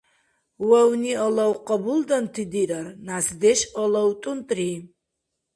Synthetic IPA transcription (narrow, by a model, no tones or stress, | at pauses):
wɛwniɔlawqʼɔbuld̪ant̪ʰid̪iɾaɾnasd̪ɛʃɔlɔwt̪ʼunt̪ʼri